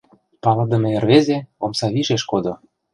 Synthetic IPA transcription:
pɑlɤ̆d̪ə̆meerβezeomsɑβiʒeʃkod̪o

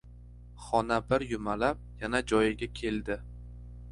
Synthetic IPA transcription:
χɒnabɪɾjʊmalap̚janad͡ʒɒjɪɡʲakʲʰe̞ld̪ɪ

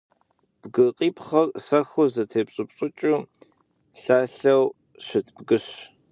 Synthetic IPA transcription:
b̥ɡɨqʼiːpχɐrsɐxʊzɐtʰeːpɕʼɨpɕʼʊt͡ʃʼuː | ɬaːɬɐw | ɕɪtʰbɡɨɕ

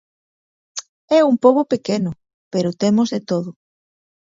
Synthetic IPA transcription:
ɛumpoβopekenʊ | peɾʊt̪emozðet̪oðʊ

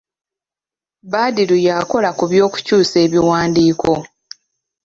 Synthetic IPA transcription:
baːdiɾujaːko̞lakuβjo̞ːku̥cuːse̞ːβiwaːndiːkʰo̞

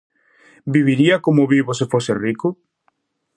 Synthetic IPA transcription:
biβiɾiakomoβiβos̬efoserikʊ

